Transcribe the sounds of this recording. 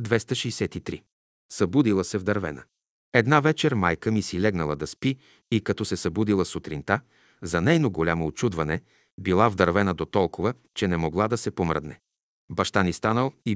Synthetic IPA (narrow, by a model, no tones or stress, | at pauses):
d̪vɛst̪əʃiisɛt̪it̪ɾi | sɐbud̪ilˠəsɛvd̪ɐɾvɛ̰nə̰ | ɛd̪navɛt͡ʃɛɾmajkəmisilɛɡnəlˠəd̪ɐspi | ikɐt̪ɔsɛsɐbud̪ilˠəsot̪ɾint̪a | zɐnɛjnoɡolʲamoot͡ʃud̪vɐnɛ | bilˠavd̪ɐɾvɛnəd̪ot̪ɔlˠkovə | t͡ʃɛnɛmoɡlˠad̪ɐsɛpomɾə̰d̪nɛ | bɐʃt̪anist̪anəlˠi